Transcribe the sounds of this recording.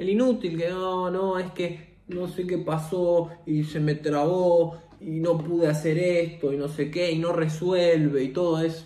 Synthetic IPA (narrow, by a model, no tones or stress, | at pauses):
elinut̪ilkenonoe̞ske | no̞se̞ke̞pasoise̞me̞t̪ɾaβo | ino̞puð̞easeɾest̪o̞ino̞sekeino̞reswelβeit̪o̞ð̞oes